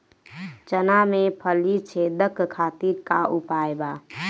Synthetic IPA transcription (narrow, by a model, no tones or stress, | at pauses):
t͡ʃənamepʰəlit͡ʃʰed̪əkkʰat̪iɾkaʔupajba